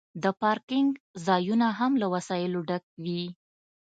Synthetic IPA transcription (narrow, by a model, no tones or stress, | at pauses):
d̪əpɑɾkɪŋɡzɑjunaɦamlawasɑjɪloɖak̚wi